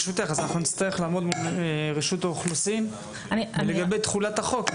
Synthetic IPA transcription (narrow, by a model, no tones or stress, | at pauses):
ʃut̪eχazanaχnunit͡st̪ajeχlaːmo̞d̪mulʁeʃut̪aoχlusin | abeleɡabejt̪χulat̪haχo̞k